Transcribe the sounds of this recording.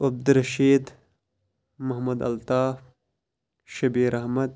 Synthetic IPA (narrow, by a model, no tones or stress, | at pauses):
ɐb̚d̪ɾɐʃiːd̪ | mɐɦmɐd̪ɐ̰lt̪aːf | ʃɐbiːɾɐɦmɐd̪̚